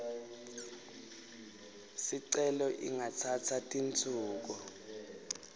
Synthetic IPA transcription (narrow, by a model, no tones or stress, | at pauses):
siǀɛlɔʔḭŋat͡sʰat͡sʰatʼint͡sʰʼuːk̬u